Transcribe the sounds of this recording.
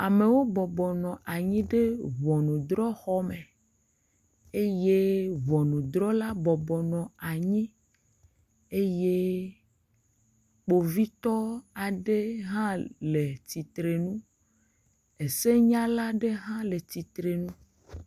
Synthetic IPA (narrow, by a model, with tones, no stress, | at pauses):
a˨me˨wo˦bɔ˨bɔ˨nɔ̃˨ʔa˨ɲĩ˦ɖe˦vɔ˨nũ˨d̪ɾɔ˦xɔ˦me˨ | e˦je˦vɔ˨nũ˨d̪ɾɔ˦la˦bɔ˨bɔ˨nɔ̃˨a˨ɲĩ˦ | e˦je˦ | k͡po˨vi˦t̪ɔ˦a˨ɖe˦ɦã˦le˨t̪i˨t̪ɾe˨nũ˦ | e˨se˦ɲã˦la˦ɖe˦ɦã˦le˨t̪i˨t̪ɾe˨nũ˦